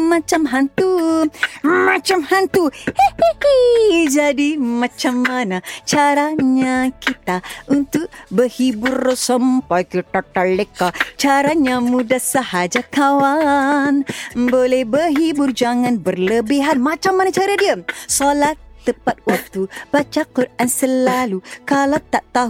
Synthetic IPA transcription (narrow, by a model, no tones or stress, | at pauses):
mãt͡ʃamɦant̪u | mat͡ʃamhant̪uhehhd͡ʒadimãt͡ʃamːanat͡ʃaɾaɲãkit̪aunt̪ʊk̚bəhibʊrsəmpajkiʈ̪aʈalekat͡ʃaɾaɲãmudahsəhad͡ʒakawanbolɛhbəɦibʊrd͡ʒaŋãnbərləbiɦanmat͡ʃamːanat͡ʃaɾadiəsɔlaht̪əpat̪̚wak̚t̪ub̥at͡ʃakuɾʔansəlalukalat̪aʔt̪a